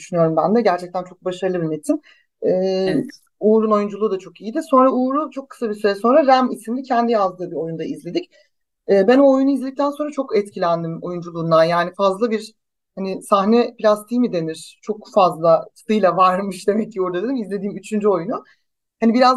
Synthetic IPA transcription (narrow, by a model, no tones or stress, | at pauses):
d̪yʃynyjo̞ɾumbænd̪ɛɟæɾt͡ʃʰɛc̚t̪ænt͡ʃʰo̞k̚baʃaɾɯlˠɯbinet̪ʰːim | ɛː | uːɾuno̞jund͡ʒulˠuːd̪at͡ʃʰo̞kijid̪iso̞nɾauːɾut͡ʃʰo̞kʰːɯ̥sabisyɾɛso̞nɾaɾæmisimd̪icʰɛnd̪ijazd̪ɯːbio̞jund̪aizlʲe̞d̪ic | ɛːbænojunuizlʲed̪ic̚t̪ænso̞nɾat͡ʃʰo̞kɛt̪cʰilʲænd̪imo̞jund͡ʒulˠuːnd̪anjaːnifazlˠabiɾ | hanɪsahnɛplʲast̪ʰimid̪e̞niɾ̥t͡ʃʰo̞kfazlˠat̪ʰɯ̥t̪ʰɯjlˠavaɾmɯʃd̪e̞mɛcːiuɾd̪ad̪ʲɾimizlʲe̞d̪iːmyt͡ʃʰynd͡ʒyo̞junu | hanibiɾaz